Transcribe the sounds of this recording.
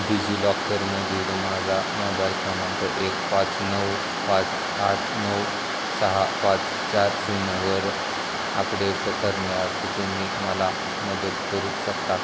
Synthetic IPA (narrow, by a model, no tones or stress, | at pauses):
bid͡ʑilɔkːəɾməd̪ʱid̪mad͡zanɔdaɾkʰamə̃nt̪əʔekpãt͡snəw | pãt͡s | at͡snəw | səɦapãt͡s | t͡ɕaɾsinəʋəɾ | apɽepəkəɾməat̪d͡ʑimːiːməla | məd̪ət̪kəɾuːɕəkt̪a